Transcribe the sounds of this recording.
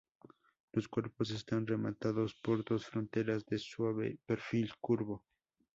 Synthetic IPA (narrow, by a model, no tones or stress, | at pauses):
loskwe̞ɾpos̬est̪anremat̪aðospoɾðosfɾont̪e̞ɾazðeswaβḛpeɾfilkuɾβo